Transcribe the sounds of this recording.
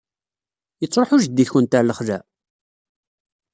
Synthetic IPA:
jət͡sˤːɾˤoħuʒəd̪ːiθçənt̪aɾləχðæ

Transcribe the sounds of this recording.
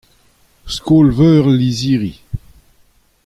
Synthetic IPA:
skoːlvœːʁliziːʁi

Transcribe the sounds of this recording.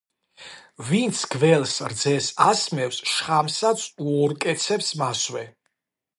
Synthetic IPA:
vint̪sʰɡvɛlsɾd̪zɛsasmɛfsʃχamsat̪sʰuɔɾkʼɛt̪sʰɛpsmaswɛ

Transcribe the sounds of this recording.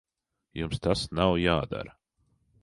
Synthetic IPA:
jumst̪asnawjaːd̪a̰ɾɐ

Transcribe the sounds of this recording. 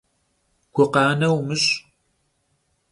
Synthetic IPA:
ɡʷʰʊqɑːnɐwmɨɕ

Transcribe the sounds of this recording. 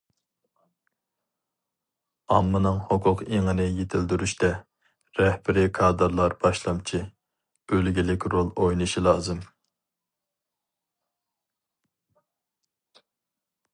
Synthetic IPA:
ɑmːɨnɨŋhoqʰʊqeŋɨnɪjet̪ʰɪld̪yɾyʃt̪ɛ | ɾɛhbɪɾɪkʰɑːd̪ɨɾlˠɑɾb̥ɑʃlˠɑmt͡ʃʰi | ølɡʲilɪkʲɾolˠojnɨʃilˠɑːzɨm

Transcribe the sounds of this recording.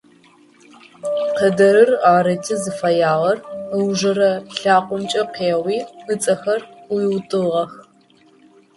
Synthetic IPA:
qɐdɐɾɨraːɾɐtʰɨzɨfɐjaːʁɐrwʒɐɾɐɬaːqʷʼʊmt͡ʃʼɐqeːʁwiːɨt͡sʼɐxɐrʊjwtʼɨʁɐx

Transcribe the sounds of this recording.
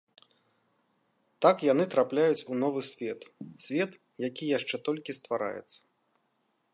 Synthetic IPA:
t̪akjan̪ɨt̪ɾaplʲajut͡sʲunɔvɨsʲvʲɛt̪sʲvʲɛt̪ | jakʲijaʂt͡ʂɛt̪ɔlʲkʲist̪vaɾa̰jɛ̰t̪sːɐ̥

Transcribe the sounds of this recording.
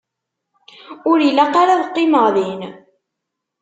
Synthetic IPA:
ʊɾilːæqaɾaðqːɪməʁðin

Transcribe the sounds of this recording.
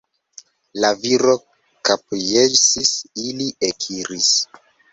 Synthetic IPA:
laviɾo̞ | kapjesisiliʔekʰiɾis

